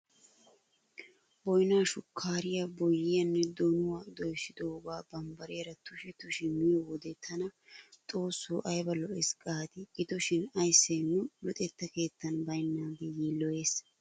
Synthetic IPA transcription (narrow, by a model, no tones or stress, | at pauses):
bɔjnaːʃʊkʰːaːɾɪjɐbɔjːɪjɐnːɛd̪ɔnʊwaːd̪ɔjsɪd̪oːɡaːbɐmbɐɾeːɾɐt̪ʊʃɪt̪ʊʃɪmɪjɔwɔd̪ɛt̪ʰɐnɐ | t̪ʼo̞ːsːuːʔɐjbɐlɔʔɛskʼaːt̪ɪʔɪt̪ɔʃɪnɐjsːenːʊlʊt̪ʼɛt̪ːɐke̞ːt̪ːɐnbɐjnːaːd̪ɛjiːlɔʔeːs